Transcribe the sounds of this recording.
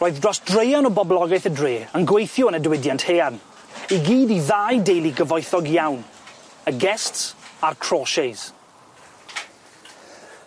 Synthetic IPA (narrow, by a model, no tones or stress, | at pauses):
roːɨðdrɔsdrejanɔbɔblˠɔɡaɨθədreːənɡwejθjɔənədwɪdjantheːan | iɡiːdiðaːjdejlˠiɡəvɔjθɔɡjawn | əɡɛstsarkʰr̥ɔːʃejz